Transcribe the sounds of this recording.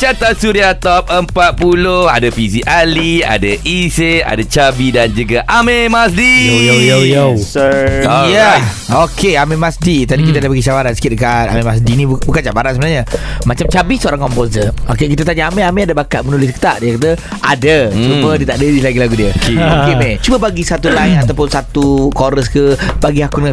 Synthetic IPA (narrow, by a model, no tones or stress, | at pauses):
t͡ʃat̪asuɾiat̪ɔp̚əmpat̪̚puloha̰dafisiʔalia̰daʔisea̰dat͡ʃabidand͡ʒuɡaʔamemasdijjojojosoja | okʰeamẽmasdit̪adikit̪adabaɡiʃabaɾansə̥kɪt̪̚əkat̪a̰mẽmas̬dinibukant͡ʃabaɾansəbənaɲəmat͡ʃamt͡ʃabihsəoɾaŋkɔmposəokekit̪̬ət̪aɲaamẽameadabakaʔ̪̚mənulɪs̬kə̥t̪aʔdiakat̪̬ə | ʔadət͡ʃumədiət̪aʔdədislaɡilaɡudiəkeokemet͡ʃuməbaɡisat̪ubajʔat̪awpʊnsat̪ukoɾəskəbaɡihakunŋa